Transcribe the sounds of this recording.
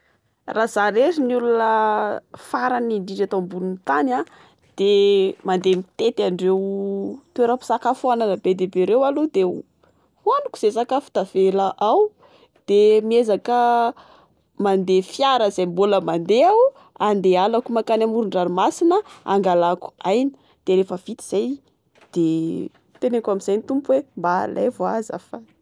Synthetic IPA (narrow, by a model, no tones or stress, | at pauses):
rʔaz̥aɾeɾinulunə | faɾaniɳɖ͡ʐiʈ͡ʂat̪ombulunit̪ana | d̪̥emand̪emit̪et̪aɳɖ͡ʐewt̪eɾapi̥sakafananəbed̪ebeɾewalud̪e | honuku̥z̥esakəfu̥t̪av̥elaʔaw | d̪̥emiezakə | mand̪efjaɾəzajmbuləmand̪ea | and̪ealakumakanamuɾuɳɖ͡ʐaɾimasinəa̰ŋɡalaku̥ajnə̥ | d̪̥eɾefəv̥it̪i̥z̥aj | d̪̥e | t̪enekamizajnit̪umpuwemba̰la̰jvoazə̰fa